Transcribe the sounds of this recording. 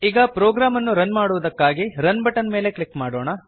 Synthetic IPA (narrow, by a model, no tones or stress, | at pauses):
iːɡɐpɾoːɡɾaːmɐnːuɾɐnmaːɽuʋɐd̪ɐkːaːɡiɾɐnbɐʈɐnme̞ːle̞kɭikmaːɽoːɳɐ